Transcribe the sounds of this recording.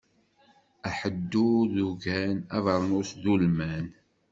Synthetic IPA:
æħəd̪ːuðuʝænævəɾˤnuθðulmæn

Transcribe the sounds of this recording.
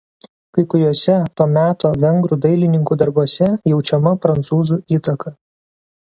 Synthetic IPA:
kɐɪkʊɾʲuɔsʲɛt̪oːmʲæːt̪oːʋʲɛŋɡɾuːˑd̪ɐɪlʲɪnʲɪŋkuːd̪ɐɾbuɔsʲɛjɛʊt͡ʃʲɛmɐpɾɐnt̪suːzuːiːt̪ɐkʰɐ

